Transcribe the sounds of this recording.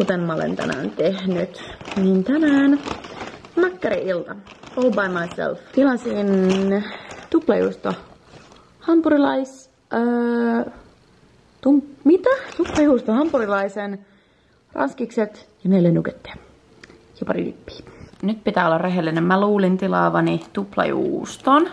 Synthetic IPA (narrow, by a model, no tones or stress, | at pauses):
kut̪emmɑolḛnt̪æ̰næ̰ːnt̪ehnyt̪niːnt̪ænæːn | mækːæɾiʔilt̪ɑobɑjmɑjsḛlft̪ilɑsin | t̪uplɑjṵst̪ɑ | hɑmpuɾilɑisː | t̪ummit̪æt̪uplɑjuːst̪ohɑmpuɾilɑisen | rɑ̰nskikset̪jɑneilːenuket̪ːe̥ɑ | jɑpɑrḭd̪y̰pːi̥ːnyt̪pit̪æːolːɑrreɦelːinemmæluːlint̪ilɑːʋɑnit̪uplɑ̰jṵːst̪on